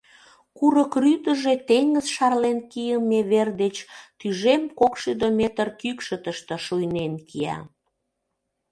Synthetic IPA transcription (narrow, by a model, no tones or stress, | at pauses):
kuɾəkryt̪əʒet̪eŋɡəzʃɑrlenkijəmːeβerd̪et͡ɕt̪yʒemkokʃyd̪omet̪ərkykʃət̪əʃt̪ə̆ʃujnenkʰiæ̰